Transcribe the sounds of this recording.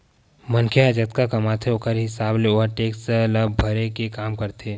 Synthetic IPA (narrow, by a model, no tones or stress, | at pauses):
mɐŋkʰjeɐd͡ʒət̪kakɐmat̪ʰeokəɾɦɪsaːbleoːɾʈeːksləbbʱɐɾekekaːmkɐɾt̪ʰeː